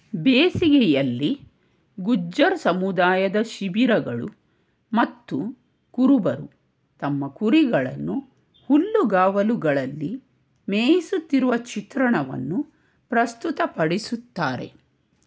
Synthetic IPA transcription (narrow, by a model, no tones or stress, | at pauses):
beːsiɡɛjɐlːi | ɡud͡ʒːɐɾsɐmud̪aːjɐd̪ɐʃiʋiɾɐɡɐɭu | mɐt̪ːu | kuɾubɐɾu | t̪ɐmːɐkuɾiɡɐɭɐ̰nːu | hulːuɡaːʋɐluɡɐɭɐlːi | meːjisut̪ːiɾuʋɐt͡ʃit̪ɾɐɳɐʋɐ̰nːu | pɾɐst̪ut̪ɐpɐɽisut̪ːaːɾe̞̰